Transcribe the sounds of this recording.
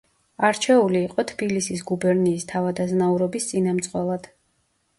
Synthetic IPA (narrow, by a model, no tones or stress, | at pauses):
aɾt͡ʃʰɛuliːqʼɔt̪ʰb̥ilisis̬ɡubɛɾniːst̪ʰavad̪aznauɾɔbist̪sʼinamt̪sʼqʼwɛlˠad̪̥